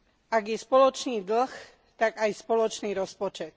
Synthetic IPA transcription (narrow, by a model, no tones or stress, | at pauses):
aɡjɛspɔlɔt͡ʃniːd̪l̩x | t̪aɡajspɔlɔt͡ʃniːɾɔspɔt͡ʃɛt̪̚